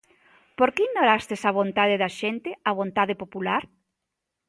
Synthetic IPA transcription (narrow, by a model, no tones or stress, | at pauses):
poɾkeiɣnoɾast̪esaβ̞ont̪aðɪðɐʃent̪ɪaβ̞ont̪aðɪpopulaɾ